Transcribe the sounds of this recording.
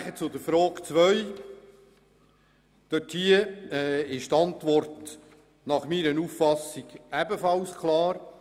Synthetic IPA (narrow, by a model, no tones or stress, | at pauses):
χət͡sʊd̪əfɾoːkt͡sʋœʏ | d̥œthiəɛɪʃtɑntʋɔrt | nɑχmiɾənuːffɑsɪɡ̥æbəfɑlskʰlˠɑːɾ